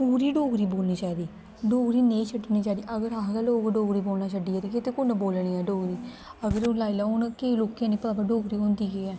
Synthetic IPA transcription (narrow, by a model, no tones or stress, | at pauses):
uːɾiːɖoːɡɾiːboːlniːt͡ʃaːid̪iː | ɖoːɡɾiːneit͡ʃʰəʈːniːt͡ʃaːd̪iːʔəɡəɾaːɡaloːɡɖoːɡɾiːboːlnaːt͡ʃəɖiːɛɾiket̪ekʊnboːlɳiɛːɖoːɡɾiː | əɡəɾʊlaːilaːʊnkeloːkãːneːpaːbaɖoːɡɾiːõːnd̪iːɡeːɛː